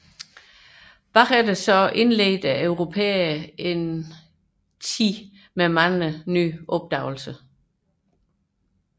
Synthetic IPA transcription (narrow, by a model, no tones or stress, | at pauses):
b̥ɑ̈ʁæd̥əsɒʔe̝nlḛːd̥æʔøʊʁo̝pʰḛːɐe̝n | t͡sʰḭː | memænləny̰ːʔɔ̽b̥̚d̥ɑ̈ʊl̩sə